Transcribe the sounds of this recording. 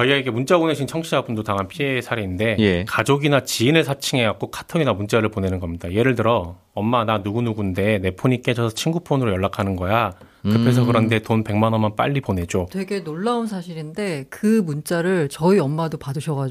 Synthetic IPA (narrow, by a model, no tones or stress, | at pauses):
t͡ɕʌiɡaiɡe̞munt͡ɕ͈aboneɕʰint͡ɕʰʌŋɕʰiabundotaŋɦanpʰie̞sʰaɾe̞inde̞jkad͡ʑoɡinat͡ɕiːnɯɭsʰat͡ɕʰiŋe̞ɡak͈̚okʰḁtʰʌɡinamunt͡ɕ͈aɾɯɭpone̞nɯnɡʌmɲidaje̞ɾɯɭtɯɾʌ | ʌmːananuɡunuɡunde̞ne̞pʰoɲik͈e̞d͡ʑʌsʰʌt͡ɕʰinɡupʰonɯɾojʌɭːakʰanɯnɡʌja | kɯpʰe̞sʰʌkɯɾʌnde̞tonpe̞ŋmanʌnmanp͈a̰ʎːipone̞d͡ʑotwe̞ɡe̞noɭːaunsʰaɕʰiɾinde̞kɯmunt͡ɕ͈aɾɯɭt͡ɕʌiʌmːadopadɯɕʰʌɣa